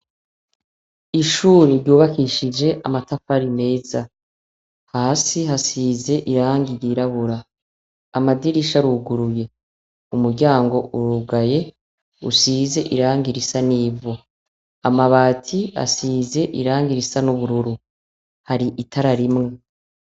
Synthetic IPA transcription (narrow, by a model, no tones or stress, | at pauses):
iʃuːɾiɾɟuːβakiʃid͡ʒe̞ʔamatafaɾime̞ːza | haːsiɦasiːze̞ʔiɾaːŋɡijiɾaβuɾaː | madiɾiʃaɾuɡuɾuje̞ | umuɾɟaːŋɡo̞ʔuɾuːɡaje̞ | ṵsiːze̞ʔiɾaːŋɡiɾisaniːvo | amaβaːtʰia̰size̞ʔiɾaːŋɡiɾisanuβuɾuɾu | haɾiʔitʰaɾaɾimŋe̞